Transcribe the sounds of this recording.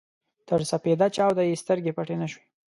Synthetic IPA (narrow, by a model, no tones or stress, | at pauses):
t̪əɾsaped̪at͡ʃɑwd̪ajest̪əɾɡepaʈenaʃwe